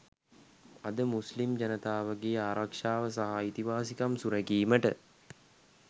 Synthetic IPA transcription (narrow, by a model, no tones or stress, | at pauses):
ɐd̪əmuslimd͡ʒɐnət̪aːʋəɡeːaːɾakʂaːʋəsaɦait̪iʋaːsikamsuɾɛkiːməʈə